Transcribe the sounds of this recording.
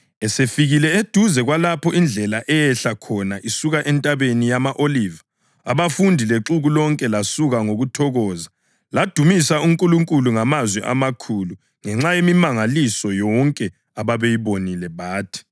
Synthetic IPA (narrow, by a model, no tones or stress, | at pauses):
ɛsefiɣilɛed̥ʱuzɛɣwalapʰɔind͡ɮʱɛlaʔɛjɛɬakʰɔnaʔisuɣaʔɛntʼaβenijamaʔoliːva | aβafundʱileǁuɣulɔŋkʼɛlasuɣaŋoɣutʰɔɣɔːza | lad̥ʱumisauŋkʼuluŋkʼuluŋamazwɛʔa̰makʰulu | ŋɛŋ͡ǁajemimaŋalisɔjɔŋkʼɛ | aβaβejiβonilɛβaːtʰi̥